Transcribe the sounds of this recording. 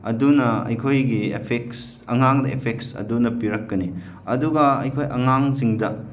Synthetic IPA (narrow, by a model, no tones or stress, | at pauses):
ɐdunɐɐ̰jkʰojɡiḛpʰeks | ɐ̰ŋaŋdɐḛpʰeksɐ̰dunɐpiɾɐkːɐni | ɐduɡɐɐ̰jkʰojʔɐŋaŋziŋdɐ